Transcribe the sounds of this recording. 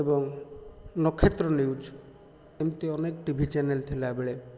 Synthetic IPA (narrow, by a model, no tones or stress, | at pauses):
ebɔŋ | nɔkʰːet̪ɾɔniwd͡ʒ | emt̪iɔnekʈibʱit͡ʃɛnelt̪ʰilabeɭe